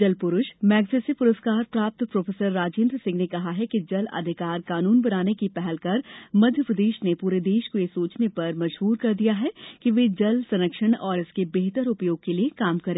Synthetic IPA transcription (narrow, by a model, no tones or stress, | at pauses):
d͡ʒɐlpʊɾʊʃmɛːɡsesipʊɾəskaːɾpɾaːp̚t̪pɾoːfʰeːsəɾːaːd͡ʒẽːnd̪ɾsɪ̃ŋɡnekɐɦaɦɛkid͡ʒɐlɐ̰d̪ʱɪkaːɾkaːnuːnbɐnaːnekipɛɦɛlkɐɾmɐd̪ʱjəpɾəd̪eːʃnepuːɾed̪eːʃkojesoːt͡ʃnepɐɾmɐd͡ʒbuːɾkɐɾd̪ijaɦɛkiʋeːd͡ʒɐlsɐ̃nəkʃəɽ̃ɔːɾɪskebeːt̪əɾʊpjoːɡ̚keliekaːmkɐɾẽː